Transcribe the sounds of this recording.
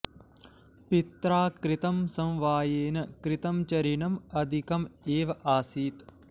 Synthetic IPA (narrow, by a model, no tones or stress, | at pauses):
pit̪ɾaːkɾɪt̪ɐmsɐ̃mʋaːjeːnɐkɾɪt̪ɐmt͡ʃɐɾinɐmɐd̪ʱikɐmeːʋɐʔaːsiːt̪